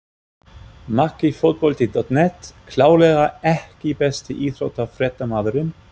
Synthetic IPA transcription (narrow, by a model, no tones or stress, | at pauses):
makːifowt̪̚pɔlt̪id̪ɔt̪nɛt̪kʰlaːwlɛːɣaɛhcɪpɛst̪ɪʔiːθɾowt̪afɾɛt̪ːamaːðʏɾʏm